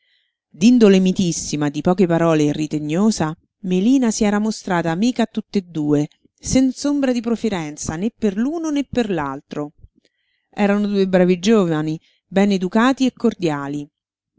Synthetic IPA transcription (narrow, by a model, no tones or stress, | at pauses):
d̪ind̪olemit̪isːimad̪ipɔːkepaɾɔːlerːit̪eɲːoːsa | meliːnasiɛːɾamost̪ɾaːt̪aːmiːkaːt̪ːut̪ːed̪ːuːe | sɛnsombɾad̪ipɾofiɾɛnt̪sanepːerluːnonepːerlalt̪ɾo | ɛːɾanod̪uːebɾaːvid͡ʒoːvani | bɛned̪ukaːt̪iekːord̪jaːli